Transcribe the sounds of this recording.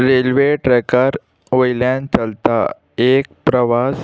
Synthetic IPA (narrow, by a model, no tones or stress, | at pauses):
ɾelʋeʈɾɛkəɾ | ʋojlãnt͡ɕəlt̪a̰ | ek̚pɾəʋas